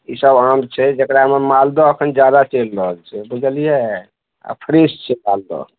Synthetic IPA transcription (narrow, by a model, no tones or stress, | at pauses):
isəbamt͡ʃʰɛd͡ʒekɾamemald̪ɔəkʰənd͡ʒjad̪at͡ʃelːəɦəlt͡ʃʰɛbud͡ʒəlije | a̰pʰɾest͡ʃʰɛbald̪ɔ̰